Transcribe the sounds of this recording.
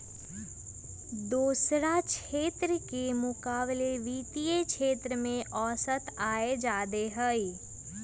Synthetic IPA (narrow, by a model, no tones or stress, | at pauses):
d̪uːsɾat͡ʃeːt̪ɾəkemʊkaːbleʋiːt̪ijekʃeːt̪ɾəmẽʔɔːsət̪aːed͡ʒaːd̪eɦəi